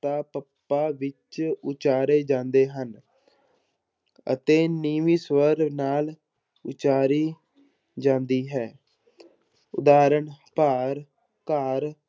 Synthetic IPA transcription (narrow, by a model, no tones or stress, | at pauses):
t̪aːpəpːaːʋɪt͡ʃʊt͡ʃaːɾeːd͡ʒãːnd̪eːɦən | ə̰t̪eːniːʋiːsʋəɾnaːl | ʊt͡ʃaːɾiː | d͡ʒãːnd̪iːɦɛː | ʊ̰d̪aːɾəɳpaːɾ | kaːɾ